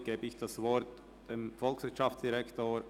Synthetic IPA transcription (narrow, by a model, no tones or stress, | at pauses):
ɡ̥eːbəɪçd̥asvɔɾt | d̥emfɔlksv̥ɪtt͡ʃʃaft͡ssd̥iʁɛktoː